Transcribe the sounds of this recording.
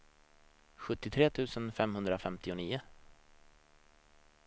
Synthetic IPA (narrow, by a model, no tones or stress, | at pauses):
ɧɵt̪ːɪt̪ʰɾeːt̪ʰʉ̟ːsənfɛmhɵnd̪ɾafɛmt̪ɪʊniːʊ